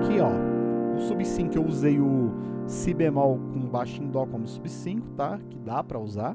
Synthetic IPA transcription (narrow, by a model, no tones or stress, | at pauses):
kɪɔʊsubisĩŋkʊewuzejʊsibemawkõbaʃĩd̪ɔkõmʊsubɪsĩkʊ̥t̪akɪd̪apɾɐuza